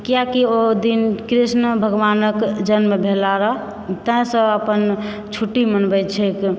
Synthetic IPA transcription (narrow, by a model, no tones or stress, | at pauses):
kijakiod̪inkɾisnəbʱəɡʋanəkd͡ʒənmebʱelaɾəɦ | t̪ə̃ĩsə̃əpən | t͡ʃʰuʈːimənbɛt͡ʃʰɛk